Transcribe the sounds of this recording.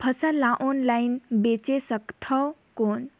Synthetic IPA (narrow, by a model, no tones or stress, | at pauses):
pʰəsalaʔonlajnbet͡ʃesəkt̪ʰəwkon